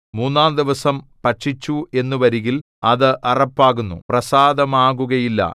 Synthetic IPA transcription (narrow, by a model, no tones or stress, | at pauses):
muːnːaːnd̪iʋɐsɐmpɐʈʂit͡ɕːue̞nːuʋɐɾiɣil | ɐðɨʔɐrɐpːaːɣunːṵprɐsaːd̪ɐmaːɣuɣɐjilːɐ̰